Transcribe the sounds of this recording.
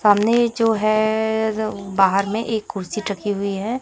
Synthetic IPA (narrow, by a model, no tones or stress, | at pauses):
saːmned͡ʒoːɦɛ | baːɦəɾmẽʔeːkːʊɾsiʈɐkiɦʊiɦɛː